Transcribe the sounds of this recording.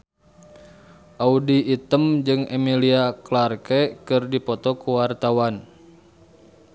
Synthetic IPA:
ʔaudiːt̪əmd͡ʒɨŋɛmiliaklarkɛkɨrdipɔt̪ɔkuwart̪awan

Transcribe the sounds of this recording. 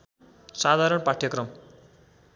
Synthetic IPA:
sad̪ʱaɾʌɳpaʈʰjʌkrʌm

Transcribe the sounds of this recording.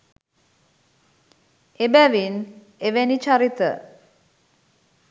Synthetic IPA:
ebæʋin | eʋenit͡ʃaɾit̪ə̰

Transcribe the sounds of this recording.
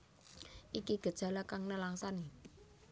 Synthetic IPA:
ʔikiɡ̥ə̤d̥ʒ̥ä̤lakaŋnəlaŋsani

